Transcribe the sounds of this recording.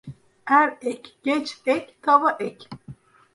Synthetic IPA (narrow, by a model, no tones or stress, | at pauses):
hæɾɛcɡ̥ɛt͡ʃɛct̪ʰavaʔɛc